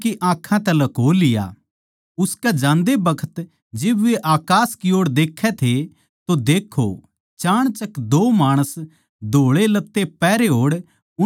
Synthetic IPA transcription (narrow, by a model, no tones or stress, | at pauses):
kiʔãːkʰãt̪ɛ̃lɐkoːlɪja̰ː | ʊskɛd͡ʒãːnd̪ebɐkʰə̥t̪ | d͡ʒɪbʋeʔaːkaːskɪoːɽd̪eːkʰːɛt̪ʰe | t̪od̪eːkʰːo̰ | t͡ʃaːɽ̃t͡ʃɐkd̪oːmaːɽ̃əs | d̪ʱoːɭelɐt̪ːepɛːɾeɦoːɽ | ʊ